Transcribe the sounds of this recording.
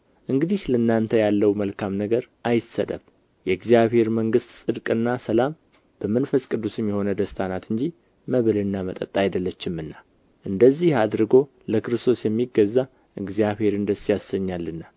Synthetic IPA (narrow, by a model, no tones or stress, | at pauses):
ʔɨŋɡɨd̪ihlənːant̪ʰəjalːəwməlkʰamnəɡəɾʔajɪsə̰d̪ə̰m | jɛɨɡzijaβhe̞ɾməŋɡɨst̪sʼɨd̪kʼɨnːasəlam | b̥əmənfəskʼɨd̪ːusjɛmːjɛho̞nəd̪əst̪ʰanat̪ɨɲd͡ʒi | məβɨlɨnːamət̪ʼə̰t̪ʼːajd̪əlːət͡ʃːɪmɨnːa | ʔɨnd̪əzːihad̪ɾɨɡo̞ | ləkʰɨɾɨst̪ʰo̞sjɛmːiɡəzːa | ʔɨɡzijaβhe̞ɾɨnd̪əsjasəɲːalːɨnːa